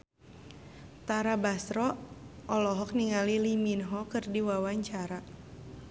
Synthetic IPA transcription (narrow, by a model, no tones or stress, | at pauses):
t̪aɾabasɾɔʔɔlɔɦɔk̚niŋaliliminɦɔkɨrdiwawaɲt͡ʃaɾa